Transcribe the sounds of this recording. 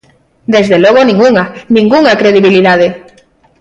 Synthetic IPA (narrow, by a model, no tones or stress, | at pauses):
d̪ezðelɔɣ̞onĩŋuŋanĩŋɡuŋakɾeð̞iβiliðað̞e